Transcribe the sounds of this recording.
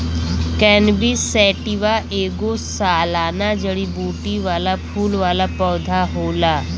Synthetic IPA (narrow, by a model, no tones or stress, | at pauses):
kɛ̃ːnbisɛːʈiʋaʔeːɡosaːlaːnad͡ʒəɽibuːʈiʋaːlapʰuːlʋaːlapɔːd̪ʱaɦoːlaː